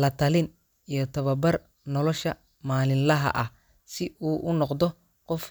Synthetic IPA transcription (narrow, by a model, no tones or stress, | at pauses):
lɐt̪ʰɐlɪn | ijɞt̪ʰɐβɐbɐr | nɔlɔʃɐ | maːlɪnlɐɦɐ̰ʔɐh | sɪuːʔʊnɔqd̪ɔ | qɔf